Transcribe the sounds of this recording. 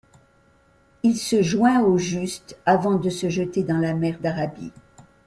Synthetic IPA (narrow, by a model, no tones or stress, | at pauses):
ilsəʒwɛ̃oʒyst̪avɑ̃d̪əsəʒət̪ed̪ɑ̃lamɛʁd̪aʁabḭ